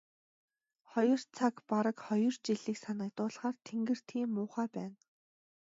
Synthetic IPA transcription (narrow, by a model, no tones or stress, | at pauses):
χɔjɞ̆r̥t͡sʰakpaɾə̆kχɔjɞ̆rt͡ɕiɮiːksanə̆kt̪ʊːɮχaːrt̪ʰeŋɡɘ̆r̥t̪ʰiːmːʊːχaːpæːn